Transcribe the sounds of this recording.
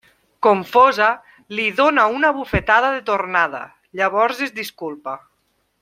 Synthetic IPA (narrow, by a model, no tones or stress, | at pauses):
koɱfɔza | liðonaunaβufet̪aðaðet̪ornaða̰ | ʎaβ̞ɔɾzezd̪iskulˠpa